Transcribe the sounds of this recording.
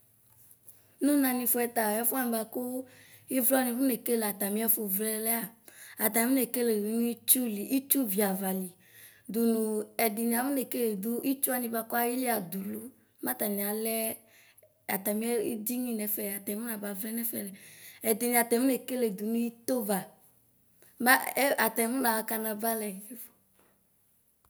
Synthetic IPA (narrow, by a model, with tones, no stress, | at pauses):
nũ˦nã˨nĩ˨˧fo˦ɛ˨t̪a˨ɔ˦fu˦a˦nĩ˨ba˧ko˦ | i˦vlɔ˦nĩ˨ɸu˦ne˨ke˦le˨a˨t̪a˨mĩ˦ɛ˦fo˨vlɛ˦lɛ˦a˦˨a˨t̪a˨˦mĩ˦ne˨ke˦le˨du˨˦nũ˦i˦t͡ʃu˦li˨ʔi˦t͡ʃu˦vi˨a˨va˨li˨ | d̪u˨nũ˨ɛ˨d̪i˨nĩ˨a˨mũ˦ne˨ke˦le˨d̪u˦ʔi˦t͡ʃu˦a˦nĩ˨ba˧˨ko˦a˦ji˦li˦a˨d̪u˨lu˦ | mã˦t̪a˨nĩ˨a˨lɛ˦ | a˨t̪a˨mĩ˦ɛ˦ḭ˦di˦ɲĩ˦nɛ˨fɛ˨a˨t̪ɛ˨˦mũ˦na˨ba˨vlɛ˦nɛ˦fɛ˨lɛ˨ɛ˨d̪i˨nĩ˨a˨t̪ɛ˨mu˦ne˨ke˦le˨d̪u˨nũ˦i˦t̪o˦va˨ | ma˦a˨t̪ɛ˨˦mũ˦la˨ka˨nã˨ba˦lɛ˨e˦fo̥˨